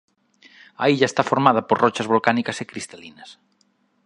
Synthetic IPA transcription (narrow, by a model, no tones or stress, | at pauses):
ɐiʎaest̪afoɾmað̞ɐpoɾrɔt͡ʃɐzβolkanikasekɾist̪alinɐs